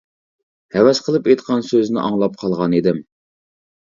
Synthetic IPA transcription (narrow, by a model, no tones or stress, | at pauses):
hɛwɛsqʰəlˠɨpejt̪qʰɑnsøznɪ̰ʔɑŋlˠɑp̚qʰɑlˠʁɑnid̪ɪm